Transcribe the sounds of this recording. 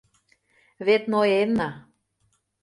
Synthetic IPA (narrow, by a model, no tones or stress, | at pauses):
βet̪noenːɑ